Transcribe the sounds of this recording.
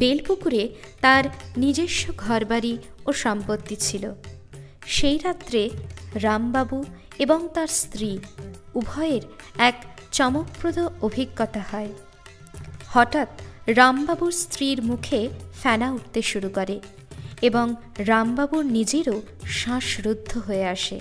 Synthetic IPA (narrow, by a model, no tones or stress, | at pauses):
belpukuɾet̪aɾnid͡ʑeʃːoɡʱɔɾbaɾioʃɔmpot̪ːit͡ɕʰilo | ʃejɾat̪ːɾeɾambabu | eboŋt̪aɾst̪ɾiubʱɔeɾɛkt͡ɕɔmok̚pɾod̪oobʱiɡːɔt̪ahɔe | hɔʈat̪ɾambabuɾst̪ɾiɾmukʰefɛnauʈ̚t̪eʃuɾukoɾe | eboŋ | ɾambabuɾnid͡ʑeɾo | ʃãʃɾud̪ʱːoɦoeaʃḛ